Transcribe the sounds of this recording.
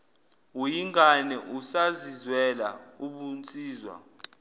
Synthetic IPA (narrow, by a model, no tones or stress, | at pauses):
ujiŋɡanɛʔusazizwɛla̰uɓunt͡sʼiːzwa̰